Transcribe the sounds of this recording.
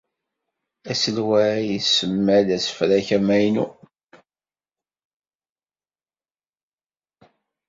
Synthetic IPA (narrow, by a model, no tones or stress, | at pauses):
æsəlwæjəsəmːælæsə̥fɾæçæmæjnu